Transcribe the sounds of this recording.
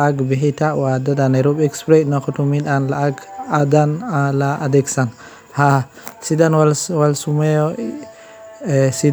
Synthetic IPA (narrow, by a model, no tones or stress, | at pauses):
aɡbiɦitawadadanaɾɔbɛkspɾɛnakɔtumiɗanlaaɡadanalaʔadɛksan | ha | sidanwalwalsumɛjɔ | si